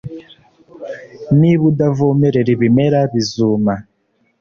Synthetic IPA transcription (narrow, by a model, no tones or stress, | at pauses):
niβudavomeɾeɾiβimeɾaβizuːma